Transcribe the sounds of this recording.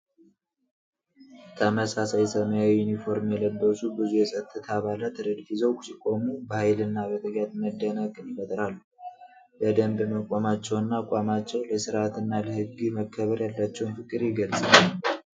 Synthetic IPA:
t̪ʰəməsasajsəmajawiunifo̞ɾmjɛləbːəsubɨzujɛsʼət̪ʰʼːɨt̪ʰaβalat̪ɾəd̪fizowsikʼo̞mubəhajlɨnːaβət̪ʼəɡjat̪məd̪ːənəkʼɨnjɪfət̪ʼɾalːu | bəd̪əmbɨməkʷʼamat͡ʃːɛwnːakʷʼamat͡ʃːɛwləsɨɾat̪ɨnːaləhɨɡːiməkʰːəβəɾjalːat͡ʃːɛwnfɨkʼːɨɾjɪɡəlsʼɨmal

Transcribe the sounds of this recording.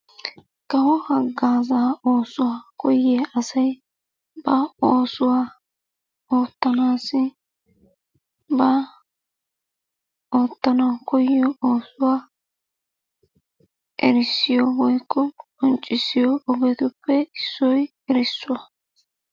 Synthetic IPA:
kɐhɔhɐɡːaːzaːoːsʊwaːkɔjːeːʔɐsɐj | bɐoːsʊwaː | oːt̪ːɐnaːsɪ | bɐ | o̞ːt̪ːɐnɐwkɔjɪjɔʔoːsʊwaː | ʔɛ̰ɾɪsːɪjɔwɔjkʰʼːɔ | ɔnt͡ʃʼːɪsːɪjɔʔːbɛt̪ʊpːɛɪsːɔj | ɛɾɪsːʊwɐ

